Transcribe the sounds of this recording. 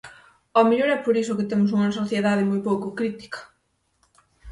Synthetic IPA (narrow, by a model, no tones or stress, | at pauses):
omeʎoɾɛpoɾisʊkɪt̪emʊs̬uŋɐsoθjeðað̞ɪmojpowkʊkɾit̪i̥kɐ̥